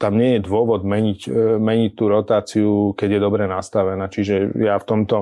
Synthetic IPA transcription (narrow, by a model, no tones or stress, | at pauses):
t̪amɲɪɛjɛd̪ʋʊɔʋɔd̪mɛɲicmɛɲict̪uɾɔt̪aːt͡siukɛɟjɛd̪ɔbɾɛnast̪aʋɛnaːt͡ʃiʒɛjaft̪ɔmt̪ɔ